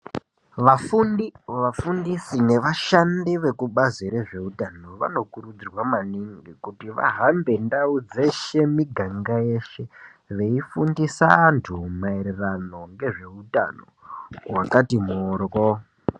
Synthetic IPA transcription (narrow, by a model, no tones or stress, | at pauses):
ʋafundiʋafundisine̞ʋaʃandiʋe̞kuɓaziɾeʐe̞utanoʋa̰no̞kuɾud͡zirwamaniŋɡikutiʋa̰ɦambe̞ndaud͡zeʃe̞miɡʱaŋɡaje̞ʃe̞ | ʋe̞ifundisaːntʰumaeɾerano̞ŋɡe̞ʐe̞uta̰no̰wakatimoːro